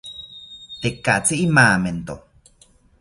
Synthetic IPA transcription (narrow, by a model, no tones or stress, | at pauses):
t̪ekːaʔt͡siʔimaːment̪o